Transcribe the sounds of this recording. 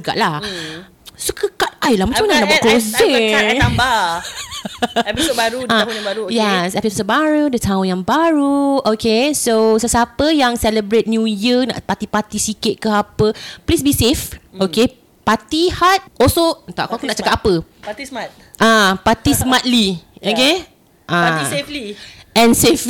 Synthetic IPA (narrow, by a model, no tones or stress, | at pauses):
ɡa̰ʔla | səkəkat̪̚ajlahmat͡ʃamanahnaʔbakɾozɛaa | baɾuãujɛsɛpəsəbaɾudət̪aʊ̃njãŋbaɹuokesosəsapəjaŋsɛləbɾet̪̚njujiənã̰ʔpat̪ipat̪isiket̪̚kəapəplisbisefoke | pat̪ihat̪̚ʔɔlsot̪aʔkkunaʔt͡ʃakat̚apəat̪ismat̪̚ | ʔapat̪ismat̪̚lioke | ʔaiefliɛ̃nsef